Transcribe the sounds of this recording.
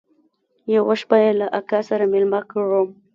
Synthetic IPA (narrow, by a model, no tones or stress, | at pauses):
jawaʃpajelaʔakasaɾamɪlmakaɻu